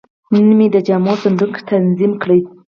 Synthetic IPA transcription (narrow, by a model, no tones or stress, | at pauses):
munmed̪əd͡ʒamosand̪ukt̪ʰanzimkɽəj